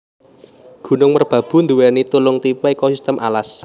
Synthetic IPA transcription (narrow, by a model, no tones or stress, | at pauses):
ɡ̥ṳnʊŋmərb̥ä̤b̥ṳnd̪uwɛnit̪ulʊŋt̪ipɛekosist̪əmʔa̰las